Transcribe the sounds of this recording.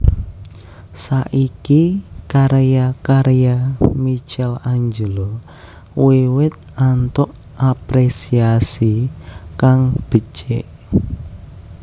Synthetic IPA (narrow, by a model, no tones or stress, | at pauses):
saʔikikaɾjakaɾʔjamit͡ʃɛlaɲd͡ʒəlɔ | wewɪt̪̚ant̪ʊʔ | apɾesiasikaŋb̥ə̤t͡ʃḛʔ